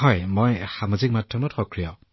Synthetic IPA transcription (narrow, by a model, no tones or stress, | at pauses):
hɔjmojxamazik̚matʰɹɔmɔtxɔkɹija